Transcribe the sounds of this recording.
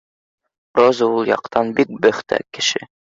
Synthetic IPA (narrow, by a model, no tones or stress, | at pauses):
rozɤulˠjɑ̰qt̪ɑnbik̚bɘ̆χt̪æ̰kɘ̆ʃɘ